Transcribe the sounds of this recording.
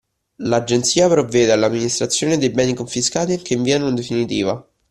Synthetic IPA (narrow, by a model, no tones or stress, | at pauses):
lad͡ʒent̪siːapɾovːɛːd̪ealːamːinist̪ɾat̪sːjoːned̪ejbɛːnikoɱfiskaːt̪ik̟eɱviːanond̪efinit̪iːva